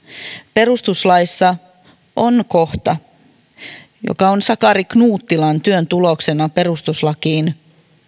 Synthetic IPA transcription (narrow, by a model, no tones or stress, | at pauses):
pe̞ɾust̪uslɑjsːɑ | ʔonko̞ht̪ɑ | jo̰kɑonsɑkɑɾiknuːt̪ːilɑnt̪yønt̪ulo̞ksenɑpe̞rust̪uslɑkiːn